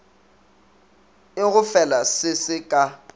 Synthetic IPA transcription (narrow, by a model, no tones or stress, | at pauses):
ɪɣʊfɛlasɪsɪkʼa